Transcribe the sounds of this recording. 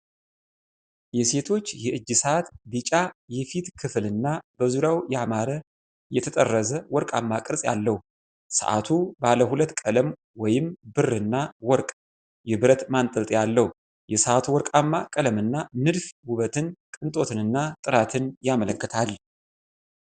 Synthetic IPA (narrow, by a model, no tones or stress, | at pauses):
jɛse̞t̪ʰo̞t͡ʃːjɛʔɨd͡ʒːɨsat̪bɨt͡ʃʼajɛfit̪kʰɨflɨnːab̥əzuɾawjɛamaɾə | jɛt̪ʰət̪ʼərːəzəwɔɾkʼa̰mːakʼɨɾsʼja̰lːəhu | sə̰ʔa̰t̪ʰubaləhulət̪ːkʼələm | wɔjɪmbɨrːɨnːawɔɾkʼ | jɛbɨɾət̪mant̪ʼɨlt̪ʼjalːəhu | jɛsəʔat̪ʰuwɔɾkʼamːakʼələmɨnːanɨd̪fhuβət̪ʰɨnkʼɨnt̪ʼo̞t̪ʰɨnɨnːat̪ʼɨɾat̪ʰɨnjamələkːət̪ʰal